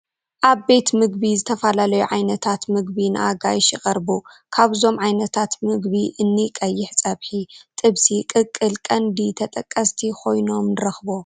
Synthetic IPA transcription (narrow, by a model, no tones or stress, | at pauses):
ʔaβbe̞t̪mɨɡ̚bizɨt̪ʰɐfɐlalɐjuʕajnɐt̪ʰat̪mɨɡbinɨ̰ʔaɡajʃɪkʼɐɾbu | kʰaβzo̞mʕajnɐt̪ʰat̪mɨɡβiʔɨnːikʼɐjːɪħt͡sʼɐβħit̪ʼɨβsikʼɨkʼɨlkʼɐnd̪it̪ʰɐt̪ʼɐkʼːɐst̪ʰikʰo̞jno̞mnɨɾɐxbo